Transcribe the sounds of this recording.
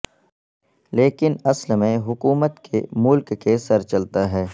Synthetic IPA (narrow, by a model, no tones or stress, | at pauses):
leːkɪnɐslmẽɦʊkuːmət̪kʰemʊlkːesɐɾt͡ʃɐlt̪aɦɛː